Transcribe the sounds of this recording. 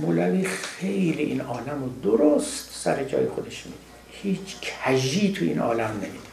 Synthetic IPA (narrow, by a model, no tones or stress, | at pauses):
molæviːxe̞jliʔinɒːlæmod̪oɾost̪sæɾed͡ʒɒ̰ːjexod̪eʃmiːd̪i | hiːt͡ʃʰkʰæʒiːt̪ʰuḭːnʔɒ̰ːlæmnemid̪